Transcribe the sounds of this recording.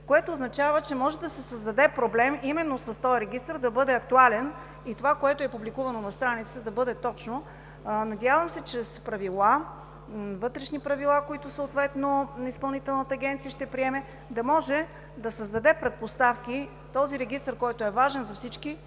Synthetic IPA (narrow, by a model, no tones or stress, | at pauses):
koɛt̪oːznɐt͡ʃavət͡ʃɛmɔʒɛd̪ɐsɛsəzd̪ɐd̪ɛpɾoblɛmimɛnːosɐst̪ɔjɾɛɡist̪ɾd̪ɐbɤd̪ɛɐkt̪ualɛn | it̪ovakoɛt̪oɛpublikuvɐnonɐst̪ɾanit̪səd̪ɐbɤd̪ɛt̪ɔt͡ʃno | nɐd̪ʲjavəmsɛt͡ʃɾɛspɾɐvilˠa | vɤt̪ɾɛʃnipɾɐvilˠakoit̪osəot̪vɛt̪nonispɐlˠnit̪ɛlˠnət̪əːɡʲɛnt̪sijəʃt̪ɛpɾiɛmɛ | d̪ɐmɔʒɛ | d̪ɐsəzd̪ɐd̪ɛpɾɛt̪̚post̪afki | t̪ɔziɾɛɡʲist̪ɾkɔjt̪oɛvaʒɛnzɐfsit͡ʃki